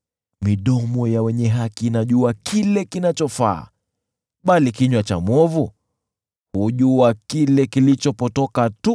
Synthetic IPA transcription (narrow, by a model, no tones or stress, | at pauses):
miɗɔmɔjawɛɲɛɦakiːnaʄuakʰilɛkinat͡ʃɔfa̰ː | ɓalikiɲwat͡ʃa̰mɔvu | huʄuakilɛkilit͡ʃɔpɔtɔkatu